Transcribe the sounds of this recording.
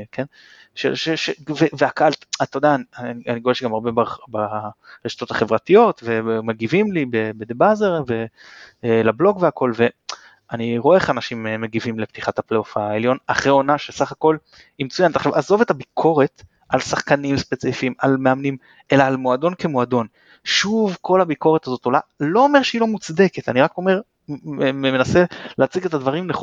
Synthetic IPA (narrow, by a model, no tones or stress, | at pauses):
kʰen | ʃḛʃeʃeveveakaaltat̪od̪aninianiɡoeʃeɡamaʁbebabaʁeʃḁt̪o̞t̪aχe̞vʁat̪ijo̞t̪ve̞meɡivimlibebed̪ebazeʁve̞ | lablo̞ɡveakʰo̞lve̞ | aniʁoeeχanaʃimemeɡivimlept̪iχat̪apleofaeljo̞naχʁeo̞naʃesaχako̞l | imet͡sujanet̪aχʃavazo̞ve̞t̪abikʰo̞ʁe̞t | ʔalsaχkanimspet͡sifiːmalme̞amnim | e̞laːlmoad̪o̞nke̞moad̪o̞n | ʃuvkʰo̞labiko̞ʁet̪azo̞t̪o̞lalo̞ːme̞ʁʃeilo̞mut͡sd̪eket̪aniʁako̞me̞ʁ | memenase̞leat͡siɡe̞t̪ad̪vaʁimneχ